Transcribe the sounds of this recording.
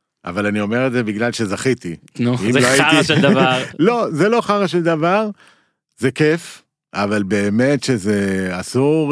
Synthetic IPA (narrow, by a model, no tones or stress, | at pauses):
ʔa̰valanio̞me̞ʁetzebiɡlalʃe̞zaχit̪i | nimzloajiiʃdavlo̞zelo̞χaʁaʃeld̪avaʁ | zeke̞f | avalbe̞ːme̞tʃeze̞asuʁ